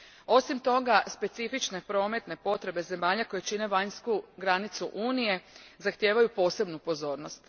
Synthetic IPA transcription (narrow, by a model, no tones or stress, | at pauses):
o̞simt̪o̞ɡaspe̞t̪sifit͡ʃne̞pɾo̞ːme̞t̪ne̞po̞t̪ɾe̞be̞ze̞maːʎako̞jet͡ʃine̞ʋaɲskuɡɾanit̪suʔuːnije̞zaxt̪jeːʋajupo̞ːse̞bnupo̞zo̞ːɾno̞st̪